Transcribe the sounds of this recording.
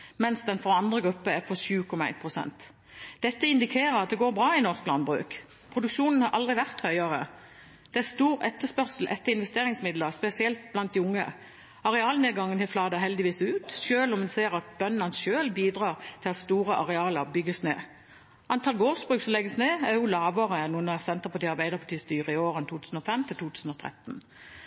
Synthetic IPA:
mɛnsd̪ɛnfɔɑnd̪ʁəɡʁʉpːəæʁpʰɔʃʉːkʰɔmɑæ̰ɪnpʰʁʊsɛ̰nt̪ | d̪ɛt̪ːəɪnd̪ɪkʰeːʁəɑt̪̚d̪ɛɡoːɾbʁɑːɪnɔʁsk̚bʰlɑnbʁʉ̰ːk | pʰʁʊd̪ʉkʃuːnən̩hɑɾʔɑld̪ʁɪʋæʁt̪hœʏɑʁə̰ | d̪̥ɛæʁst̪uːʁɛt̪ːəspœʁsl̩ʔɛt̪ːəɾɪnʋɛst̪eːʁɪŋsmɪd̪ləʁspɛsɪɛlt̪̚blɑnt̪̚d̪ɪʊŋːə̰ | ɑʁɛɑːlneːɡɑŋːənt̪ɪflɑːd̪əhɛld̪ɪʋiːsʉːt̪ʃøːlɔmd̪ɛseːʁɑt̪̚bœnːɑnsʃøːlbiːd̪ʁɑːʁt̪ʰɪlɑst̪uːʁəʔɑʁɛɑːləʁbʏɡəsnḛː | ʔɑnt̪ʰɑlɡoːʁsbʁʉːksɔmlɛɡəsneːæʁjʊlɑːʋəʁənuːənɑsɛnt̪əʁpʰɑʈ̪iːɑʁbæɪd̪əʁpʰɑʈ̪iːst̪yːʁəɪoːʁənt̪uːt̪ʰʉːsn̩ɔfɛmt̪ʰɪlt̪ʰuːt̪ʰʉːsn̩ɔt̪ʰʁɛ̰t̪ːn̩

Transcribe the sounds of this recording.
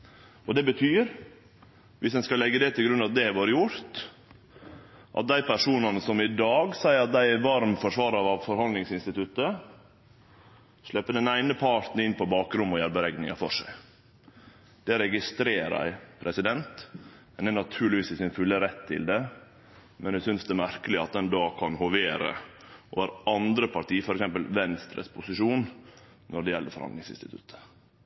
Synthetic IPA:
ɔd̪ɛbət̪ʰyːɾ | ʋɪsd̪ɛnskɑlɛɡːəd̪ɛt̪ʰɪlɡɾʉnɑt̪̚d̪ɛʋoːɾəjʊɾt̪ | ʔɑ̰t̪̚d̪æɪpæʂuːnɑnəsɔmɪd̪ɑːɡsæɪəɾɑt̪̚d̪æɪɛʋɑɾmfɔʂʋɑːɾɑʋɑʋfɔɾhɑnnɪŋsɪnst̪ɪt̪ʉt̪ə | ʂlɛpːəd̪ɛnæɪnəpʰɑʈ̪n̩ɪnːpʰɔbɑːkɾʊmːɔjæːɾbəɾɛɡnɪ̰ŋɑfɔ̰ʂæ̰ɪ | d̪̥ɛɾɛɡɪst̪ɾeːɾæ̰ɪpʰɾɛsɪd̪ɛnt̪ | ɛnɛnɑt̪ʰʉːɭɪʋiːsɪsɪnfʉlːəɾɛt̪ʰːɪ̰ld̪ɛ | mɛnæsʏnsd̪ɛmæɾkəlɪɑt̪̚d̪ɛnd̪oːkʰɑnhɔʋeːɾə̰ | ɔʋæːɾɑnd̪ɾəpʰɑɾʈiːəfɔɾɛksɛmpəlʋɛnst̪ɾə̰spʰʊsɪʂuːn | nɔɖɛjɛlːəfɔɾhɑ̰nɪŋsɪnst̪ɪt̪ʰʉ̰t̪ʰːə̥

